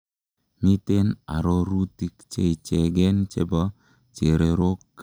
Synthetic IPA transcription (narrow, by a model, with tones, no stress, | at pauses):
mi˦t̪e˦na̰˨ɾɔ˦ɾu˦ti˦kt͡ʃe˦i˨t͡ʃe˨ɡɛ˦nt͡ʃḛ˦ba˦ | t͡ʃe˨ɾe˨ɾo˦kː